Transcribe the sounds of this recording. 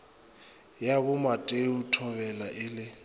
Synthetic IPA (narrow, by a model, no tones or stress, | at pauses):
jakʊmatʼeutʰɔβɛlaʔɪlɪ